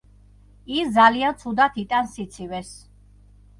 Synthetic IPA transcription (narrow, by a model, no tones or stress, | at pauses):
isd̪zaliant̪sʰud̪at̪ʰit̪ʼansit̪sʰivɛs